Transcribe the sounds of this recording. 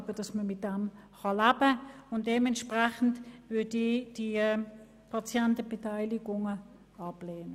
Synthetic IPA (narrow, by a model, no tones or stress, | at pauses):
bədɑsməmɪt̚d̥ɛm | χɑlæːbəʊnt̚deːmɛntʃpʁɛχn̩dvʏɐdid̥i | pʰɑt͡sjɛntəbɛtʰaɪliɡʊŋə | ɑbleːnə